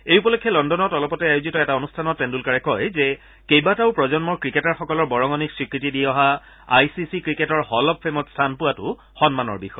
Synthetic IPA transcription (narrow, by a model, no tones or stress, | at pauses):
ejupɔlokʰːjɔlɔndɔnɔtɔlɔpɔtɛajozitɔɛtaonustʰanɔtːendulkaɹɛkɔjzɛ | kejbataʊpɹɔzɔnmɔɹkɹiketaɹxɔkɔlɔɹbɔɹɔŋɔniksɹikɹitidiɔɦa | a̰jsisikɹiketɔɹhɔlɔpʰːemɔtstʰanpʊwatʊ̰ | xɔnmanɔ̰ɹbixɔj